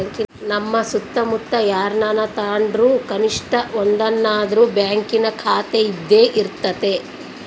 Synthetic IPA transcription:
ŋkinɐmːɐsut̪ːɐmut̪ːɐjaːɾnaːnɐt̪aːɳɖɾuːkɐniʂʈɐond̪ɐnːaːd̪ɐɾubjaːŋkinɐkʰaːt̪eid̪ːe̞ːʔiɾt̪ːɐt̪e̞

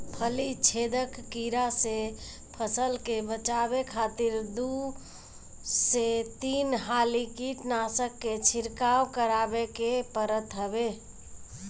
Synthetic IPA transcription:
pʰəlit͡ʃʰed̪əkːiɾase | pʰəsəlkebət͡ʃabekʰat̪iɾd̪u | set̪inɦalikiʈnasəkːet͡ʃʰiɾkawkəɾabekepəɾət̪ɦəbe

